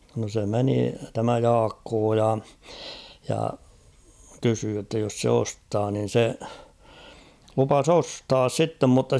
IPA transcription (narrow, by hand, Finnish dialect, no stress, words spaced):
no se meni tæmæ jɑːkːoː jɑ jɑ kysyː jotːɑ jos se ostɑː nin̞ se lupɑs ostɑːs sitːem mutːɑ